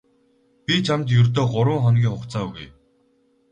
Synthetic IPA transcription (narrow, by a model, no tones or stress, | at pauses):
pʲit͡ɕʰamt̪jɵrt̪̬oːɢʊɾwə̆ŋχɔnɡʲiːŋχʊkt͡saːɣṵj